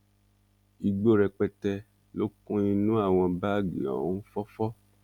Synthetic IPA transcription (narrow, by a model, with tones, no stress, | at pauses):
i˧ɡ͡bo˦ɾɛ˧k͡pɛ˧tɛ˧ | lo˦kũ˦nĩ˧nũ˦a˦˨w̃ɔ̃˧ba˦˨ɡḭ̃˨ɔ̰˨ũ˨˦fɔ˦fɔ˦